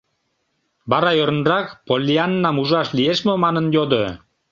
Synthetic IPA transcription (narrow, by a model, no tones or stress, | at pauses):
bɑɾɑjøɾə̆nrɑkpolʲːiɑnːɑmuʒɑʃlieʃmømɑnənjod̪o